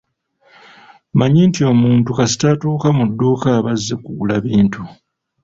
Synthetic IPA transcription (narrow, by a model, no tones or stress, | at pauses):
maɲintio̞muːntukasi̥tatuːkamudːuːkaβazːekuɡulaβiːntʰu